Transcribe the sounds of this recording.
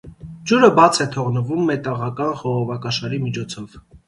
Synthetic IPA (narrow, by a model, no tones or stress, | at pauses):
d͡ʒuɾəbɑt͡sʰɛt̪ʰɔʁnəvumːɛt̪ɑʁɑkɑnχɔʁɔvɑkɑʃɑɾimit͡ʃʰɔt͡sʰɔv̥